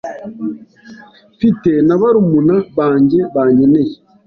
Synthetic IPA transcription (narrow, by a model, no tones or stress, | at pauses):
fitenaβaɾumunaβaːɲɟeβaːɲɟeneje